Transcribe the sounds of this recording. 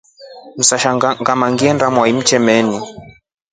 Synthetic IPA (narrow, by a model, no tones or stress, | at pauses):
m̩saʃaŋɡamaŋɡiɛndamwaim̩t͡ʃɛmɛni